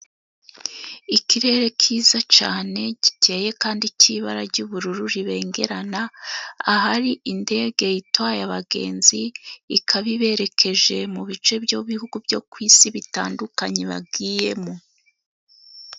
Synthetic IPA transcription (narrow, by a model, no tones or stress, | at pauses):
iciɾe̞ɾe̞kʰiːzat͡ʃaːne̞ɟ̥ite̞ːje̞kaːndiciβaɾaɾɟuβuɾuɾuɾiβe̞ːŋɡe̞ɾanaaɦaɾiʔinde̞ːɡe̞jitwajaβaɡe̞̰ːnziːkʰaβiβe̞ɾe̞kʰe̞ʒe̞muβit͡ʃe̞bjoβihuɡubɟo̞kwiːsiβitaːndukaɲeβa̰b̚ɡiːje̞mo